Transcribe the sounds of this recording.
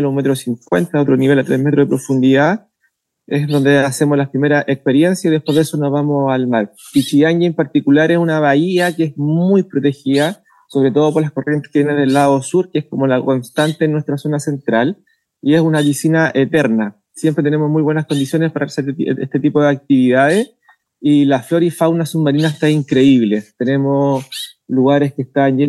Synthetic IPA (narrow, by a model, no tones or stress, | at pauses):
lunmet̪ɾosiŋkwent̪aot̪ɾoniβe̞lat̪ɾamet̪ɾoðepɾo̞fund̪iða | esðo̞nd̪ease̞mozlapɾime̞ɾaʔekspeɾje̞nsjaiðehpweðeso̞nozβamosalmaɾ | pit͡ʃiaɲɡaempaɾt̪ikulaɾesunaβaiakeesmujpɾot̪e̞xiða | so̞βɾet̪o̞ðo̞p̬o̞ɾlasko̞rje̞nt̪e̥ket̪jeneðelːaðosuɾkeesko̞mo̞lako̞nst̪ant̪eːnːwe̞st̪ɾaso̞nase̞nt̪ɾal | ie̞sunaβisinaʔet̪eɾna | sjempɾet̪enemo̞smujβwe̞naskond̪isjo̞nespaɾʔaseet̪et̪ipoðeak̚t̪iβiðaðes | ilaflo̞ɾifawnasummaɾinat̪aeiŋkɾe̞iβle̞t̪e̞ne̞mosluɣaɾe̞skest̪anje